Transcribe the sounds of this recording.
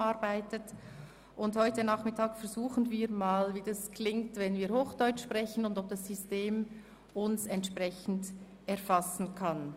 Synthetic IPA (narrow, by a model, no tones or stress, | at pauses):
aɾbaɪtət | ʔʊndhɔʏtənaːχmɪtʰaːkfɛʁzuːχən̩viːɾmaːlviːdaskʰlɪŋtvɛnviːɐɾhoːxd̥ɔʏt͡ʃʃpʁɛçənʊndɔp̚d̥asːysteːm | ʊnsɛntʃpʁɛçn̩d | ɛɐfasn̩kʰan